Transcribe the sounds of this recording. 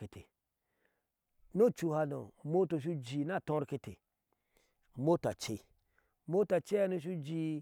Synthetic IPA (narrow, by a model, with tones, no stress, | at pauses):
e˨tʰe˨ | no˦t͡ʃu˨ha˧no̰˨mo˦to˨ʃ̬u˦d͡ʒi˨na˦˨tõ˦ɾke˦˧te˨ | mo˦ta˨t͡ʃe˦˨ | mo˦ta˨t͡ʃe˦a˦no˦˧ʃ̬u˦d͡ʒi˨